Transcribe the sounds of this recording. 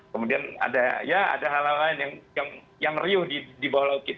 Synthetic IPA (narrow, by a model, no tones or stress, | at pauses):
kəmudiana̰dajaa̰daɦalalaɪnjaŋjaŋ | jaŋriʊhdidibawalaukit̪